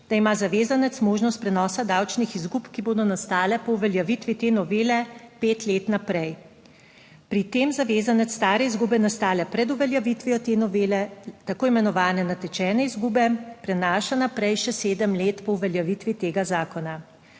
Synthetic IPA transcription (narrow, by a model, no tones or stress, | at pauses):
d̪̥aimazaʋeːzanɛt̪smoːʒnɔst̪̚pɾɛnɔːsad̪awt͡ʃnixizɡupkiboːd̪ɔnast̪aːlɛpɔuʋɛljaʋit̪ʋit̪enɔʋeːlɛpeːt̪leːt̪napɾɛj | pɾit̪eːmzaʋeːzanɛt̪sst̪aːɾɛizɡuːbɛnast̪aːlɛpɾɛd̪uʋɛljaʋit̪ʋiɔt̪enɔʋeːlɛt̪akoːimɛnɔʋaːnɛnat̪ɛt͡ʃɛːnɛizɡuːbɛpɾɛnaːʃanapɾɛjʃɛseːd̪əmleːt̪pɔwʋɛljaʋit̪ʋit̪eːɡazaːkɔna